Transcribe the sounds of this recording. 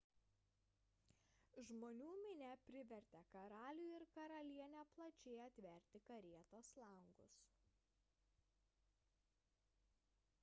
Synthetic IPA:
ʒmoːnʲuːmʲɪnʲɛpʲɾʲɪʋʲɛɾʲt̪ʲɛkɐɾɑːlʲuːˑɪɾkɐɾɐlʲiɛnʲɛplˠɐt͡ʃʲɛːɐt̪ʲʋʲɛˑɾʲt̪ʲɪkɐɾʲiɛt̪oːslˠɐŋɡʊs

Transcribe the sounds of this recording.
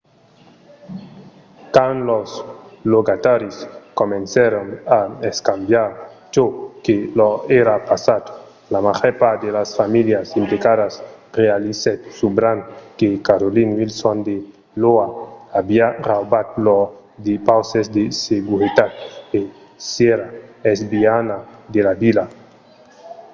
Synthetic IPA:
kanlosloɡat̪aɾiskomẽnsaɾonaeskambjaɾt͡ʃokeloeɾapasat̪ | lamaʁɛpad̪elasfamiljasimplikaðasrealiset̪subɾaŋkekaɾolinvilsond̪e | loaabiarawbat̪lo | d̪epawsezd̪eseɡuɾit̪at̪̚e | sjeɾaezbianad̪elabila

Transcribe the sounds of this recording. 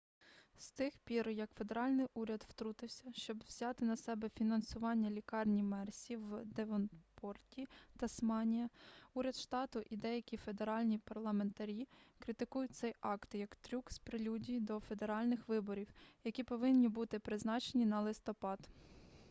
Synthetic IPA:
st̪ɪxpʲiɾjɐkfe̞d̪e̞ɾɑlʲnɪjʔuɾʲɐd̪wt̪ɾut̪ɪwsʲɐʃt͡ʃɔbwzʲɑt̪ɪnɐsɛbɛfʲinɐnsʊʋɑnʲːɐlʲikɑrnʲimɛrsʲiwd̪eʋɔnpʰɔrtʲit̪ɐsmɑnʲijɐuɾʲɐd̪ʃt̪ɑt̪ʊʔid̪ɛjɐkʲife̞d̪e̞ɾɑlʲnʲipɐrlˠɐme̞nt̪ɐɾʲikɾɪt̪ɪkujʊt̪̚ʲsɛjɑkt̪jɐkt̪ɾʲukspɾɪlʲudʲijd̪ɔfe̞d̪e̞ɾɑlʲnɪxʋɪbɔɾʲiwjɐkʲipɔʋɪnʲːibut̪ɪpɾɪznɑt͡ʃenʲinɐlˠɪst̪ɔpɑd̪

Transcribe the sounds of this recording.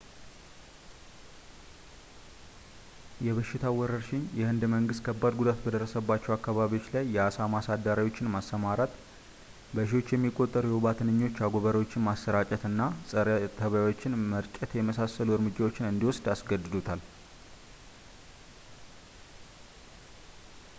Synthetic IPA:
jɛβəʃːɪt̪ʰawɔɾəɾʃɪɲjɛhɨnd̪məŋɡɨst̪kʰəbːad̪ɡud̪at̪bəd̪ərːəsəbːat͡ʃːɛwakːaβaβio̞t͡ʃːlajːɛasamasad̪ːaɾajo̞t͡ʃːɪnmasːəmaɾat̪ | bəʃ̬iwo̞t͡ʃːjɛmːikʼːo̞t̪ʼːəɾujɛoβat̪ʰɨnɨɲːo̞t͡ʃːaɡo̞βəɾwot͡ʃːɪnmasːəɾat͡ʃʼɛt̪ɨnːasʼət̪ʰəβjawo̞t͡ʃːɪnməɾt͡ʃʼɛt̪jɛməsasːəluɨɾmɨd͡ʒːawo̞t͡ʃːɪnɨnd̪iwʊsd̪asɡəd̪ɨd̪ut̪ʰal

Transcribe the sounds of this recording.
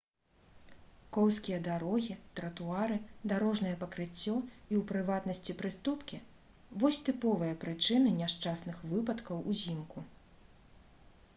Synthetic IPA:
kɔwsʲkʲijɐd̪aɾɔɣʲit̪ɾɐt̪uaɾɨd̪aɾɔʐnɐjɛpɐkɾɨt͡sʲːɔiwpɾɨvat̪nɐsʲt͡sʲipɾɨst̪upkʲi | vɔsʲt̪ɨpɔvɨjɐpɾɨt͡ʂɨnɨnʲaʂt͡ʂasnɨxvɨpɐt̪kɐwuzʲimku

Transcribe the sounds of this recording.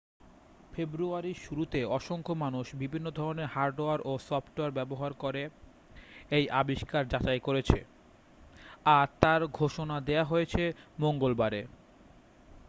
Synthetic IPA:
febɾuaɾiʃuɾut̪eɔʃoŋkʰomanuʃbibʱinːod̪ʱɔɾoneɾhaɾɖoaɾʔosɔpʈoaɾbɛboɦaɾkoɾe | ejʔabiʃkaɾd͡ʑat͡ɕajkoɾet͡ɕʰḛ | at̪aɾɡʱoʃonad̪eaɦojet͡ɕʰemoŋɡolbaɾe

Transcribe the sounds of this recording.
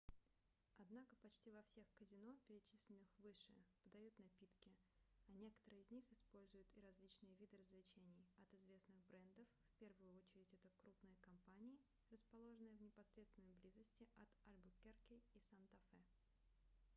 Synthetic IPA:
ɐd̪nakəpɐt͡ɕtʲivɐfsʲe̞xkəzʲɪno̞pʲɪɾʲɪt͡ɕisʲlʲɪnːɨxvɨʂɨ̰pəd̪ɐjut̪nɐpʲit̪kʲɪɐnʲe̞kə̥t̪əɾɨjɪzʲnʲixɪspo̞lʲzʊjʊt̪ɪɾɐzlʲit͡ɕnɨjəvʲid̪ɨɾəzvlʲɪt͡ɕenʲɪjɐt̪ɪzvʲe̞snɨɣbɾɛnd̪əffpʲe̞rvʊjʊo̞t͡ɕɪɾʲɪtʲɛt̪əkɾupnɨjəkɐmpanʲɪɪ | rəspɐlˠo̞ʐɨnɨjəvnʲɪpɐsɾʲet̪st̪vʲɪnːəjblʲizəsʲtʲɪʔɐt̪alʲbʊkʲerkʲɪisant̪ɐfɛ

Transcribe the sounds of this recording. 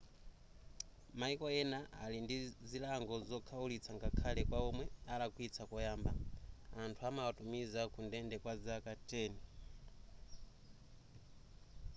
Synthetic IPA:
maikɔɛnaa̰lindizilaŋɡɔzɔkʰaulit͡sʰaŋɡakʰalɛkwaɔmwɛalakuit͡sʰakɔjaːmba̰antʰuamawatumizakundɛndɛkwazakatʼɛːni

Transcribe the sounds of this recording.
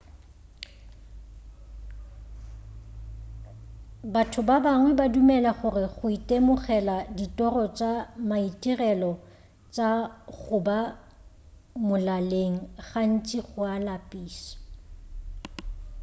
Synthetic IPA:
batʰʊbabaŋwɛbadumɛlaχʊrɪχʊitʼemʊχɛladitʼɔrɔt͡ʃʼamaitʼirɛlɔ | t͡ʃʼaɣʊba | mʊlaleŋ̩ɣan̩t͡ʃʼiχʊalapʼiːsɔ̥

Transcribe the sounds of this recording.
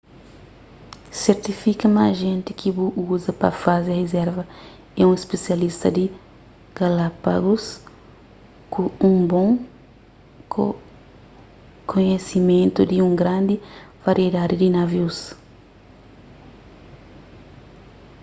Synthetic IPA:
seɾt̪ifikɐmaʒẽnt̪ɪkʰibuʔuzɐpɐ̰fazehezɛɾvɐ | ɛũespesjalist̪ɐd̪ɪ | ɡ̥alapa̰ɡus | kuũŋbõŋ | ko | kʰoɲesimẽnt̪ud̪ɪũŋɡɾãnd̪ɪv̥aɾʔied̪ad̪ɪd̪inaviws

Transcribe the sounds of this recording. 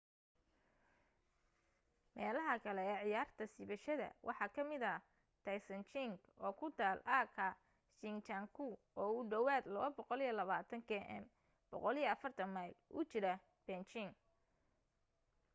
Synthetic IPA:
mɛːlɐɦɐkʰɐlɛɛːʕɪjaːrt̪ʰɐsiβɐʃɐðɐ̰wʔɑ̰ħɑːkʰɐmɪðɐ | t̪ʰɐjsɐnt͡ʃɪŋɡ | ɔːkʰʊt̪ʰaːlʔakʰɐ | ʃɪŋt͡ʃɐŋkʰu | ɔːʊɖɐwaːd̪lɐβɐbɔqɔlijɐlɐβaːt̪ʰɐŋkʰɛːʔɛ̰m | b̥ɔ̰qɔlijɐɐfɐrt̪ʰɐmɐjlʔʊ̰t͡ʃɪɾɐ | b̥ɛnt͡ʃɪŋ

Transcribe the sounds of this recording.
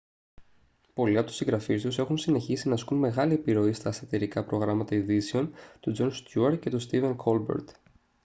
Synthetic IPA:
po̞liɐt̪u̥siŋɡɾɐfist̪use̞xunsine̞çisinɐskunme̞ɣɐliepiɾo̞ist̪ɐst̪ɐt̪iɾikɐpɾo̞ɣɾɐmɐt̪ɐiðiseo̞nt̪ud͡zo̞nst̪juɐɾce̞t̪ust̪ive̞nkʰo̞lbḛɾt̪

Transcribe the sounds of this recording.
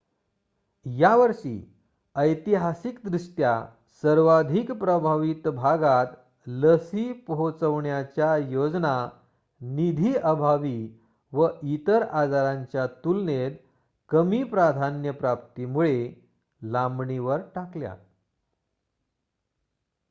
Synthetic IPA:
jaʋəɾʂḭ | əjt̪iɦasikd̪ɾuʂʈja | səɾʋad̪ʱikpɾəbʱaʋit̪bʱaɡat̪ | ləsiːpəɦot͡səʋɳjat͡ɕjajod͡zna | nid̪ʱiːʔəbʱaʋi | ʋəit̪əɾad͡zaɾãɲt͡ɕjat̪ulned̪ | kəmiːpɾad̪ʱanjəpɾap̚t̪imuɭe | lambɳiʋəɾʈaklja̰

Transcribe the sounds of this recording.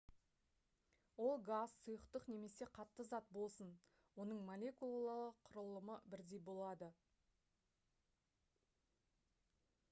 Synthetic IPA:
wo̞lˠɡazsʊjəqt̪əqne̞me̞se̞qʰɑt̪ːəzɑt̪̚bo̞lˠsən | wo̞nəɴmolʲe̞kulˠlˠalˠəqʰʊɾəlˠəməbɪɾd̪e̞jbo̞lˠɑd̪ə

